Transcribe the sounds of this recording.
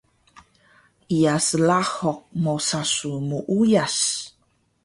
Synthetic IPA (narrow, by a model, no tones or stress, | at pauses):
ijasəlahɔk̚mosasumuʔujas